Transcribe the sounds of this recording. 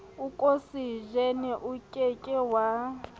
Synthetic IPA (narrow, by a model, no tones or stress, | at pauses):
ukʼosiʒɛnɛʔukʼɛkʼɛwa